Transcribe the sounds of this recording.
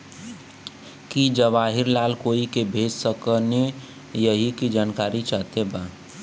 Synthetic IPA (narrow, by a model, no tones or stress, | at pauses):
kid͡ʒəʋaɦiɾlaːlkoːikebʱed͡ʒsəkəne | jəɦikid͡ʒaːnkaːɾit͡ʃaːt̪ebaː